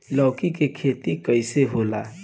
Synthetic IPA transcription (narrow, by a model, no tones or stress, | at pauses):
lʌwkikekʰet̪ikʌjseɦola